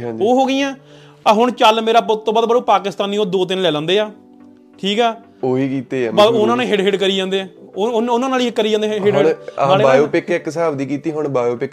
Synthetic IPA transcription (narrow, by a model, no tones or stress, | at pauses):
oːɦoːɡiːãː | aɦʊɳt͡ʃəlmeːɾaːpʊt̪ːõːbaːd̪̚bəɾõːpaːkɪst̪aːniːoːd̪oːt̪̬ɪnlɛːlãːnd̪eːaː | ʈʰiːkɛː | oːiːkiːt̪eːpəʊnãːneːɦɪɖɦɪɖkəɾiːd͡ʒãːnd̪eːɛːʊnãːnaːliːɦɪkːəɾiːd͡ʒãːnd̪eɦɪɽɪaːleːjoːpɪkɪksaːbd̪iːkiːt̪iːɦʊɳbaːjoːpɪk